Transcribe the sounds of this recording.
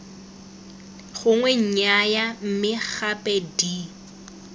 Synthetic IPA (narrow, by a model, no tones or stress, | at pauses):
ɣʊŋwɛɲ̩ɲajam̩mɪχapʼedi